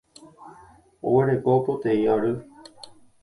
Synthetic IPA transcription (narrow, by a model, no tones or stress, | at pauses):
o̰weɾekopot̪eiaɾɨ